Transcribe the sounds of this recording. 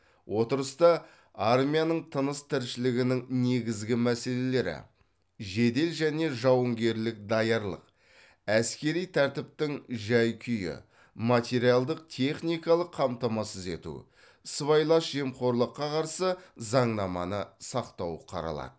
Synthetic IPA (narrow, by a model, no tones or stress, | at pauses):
wʔo̞t̪əɾəst̪ɑ | armʲijanəɴt̪ʰənəst̪ʰɪɾʃɪlɪɡʲɪnɪŋne̞ɡʲɪzɡʲɪmæse̞le̞le̞ɾɪ̰ | ʒe̞d̪e̞lʒæne̞ʒɑwəŋɡʲe̞ɾlɪk̚d̪ɑjɑɾlˠə̰q̚ | æskʲe̞ɾijt̪ʰæɾt̪ɪp̚t̪ɪŋʒæjkʲʰʏjɪ̰ | mat̪ʲe̞ɾijalˠd̪əq̚t̪ʲʰe̞χnijkɑlˠəqʰːɑmt̪ɑmɑsəze̞t̪ṵ | səvɑjlˠɑʃʒe̞mqʰo̞ɾlˠəqːɑqʰɑɾsəzɑɴnɑmɑ̰nəsɑqt̪ɑwəqʰɑ̰ɾɑ̰lˠɑ̰d̪ə